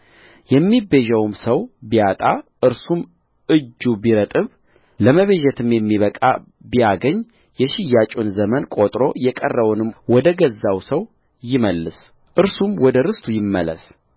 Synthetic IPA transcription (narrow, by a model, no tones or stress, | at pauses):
jɛmːibeʒɛwmsəwbijat̪ʼaʔɨɾsum | ʔɨd͡ʒːubiɾət̪ʼɨβ | ləməβeʒɛt̪ʰɨmjɛmːiβəkʼa̰ | bijaɡəɲː | jɛʃɪjːat͡ʃʼunzəmənkʼot̪ʼɾo̞jɛkʼərːəβunɨmwɔd̪əɡəzːawsəw | jɪməlːɨs | ʔɨɾsumwɔd̪əɾɨst̪ʰujɪmːələ̰s